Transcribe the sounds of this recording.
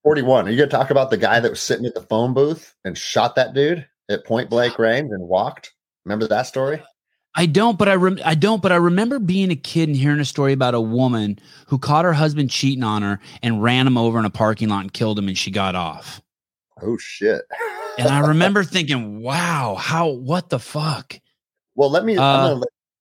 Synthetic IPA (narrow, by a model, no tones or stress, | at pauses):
fɔɹɾiwʌ̃nə˞jɨɡʌtʰɔkɪ̃ŋəbaʊt̪̚ðɨɡaɪðɨt̚wʌz̥sɪɾɪ̃ŋɨt̪̚ðəfõʊ̃nbuθ | ɨ̃nʃɑt̪̚ðɨt̚d̥ʉɾ | ɨt̚pʰɔ̃ɪ̃nb̥leɪkɹẽɪ̃nzɨ̃nwɔk̚t̚ | mɛ̃mbə˞ðətstɔɹi | aɪdõʊ̃nt̚b̥ʌɾaɪɹɨa̰ɪdõʊ̃nt̚b̥ʌɾaɪɹɨmɛ̃mbə˞biɪ̃ŋɨkʰɪɾn̩ɦiɹɪ̃ŋɨstɔɹiɨbaʊɾəwʊmɨ̃n | hukʰɔt̚hə˞ɦʌzbɨ̃nt͡ʃʰiɾɪ̃n̩ə̃nə˞ɨ̃nɹæ̃nɨ̃moʊvə˞ɨ̃nəpʰɑɹkɪ̃ŋlɑtn̩kʰɪlˠd̚ɨ̃mɨ̃nʃiɡɑɾɔ̰f | oʊʃɪ̰t̚ɨ̃naɪɹɨmɛ̃mbə˞θɪ̃ŋk̬ɪ̃ŋwaʊhaʊwʌt̪̚ðəfʌk | wɛlˠlɛt̚miʌ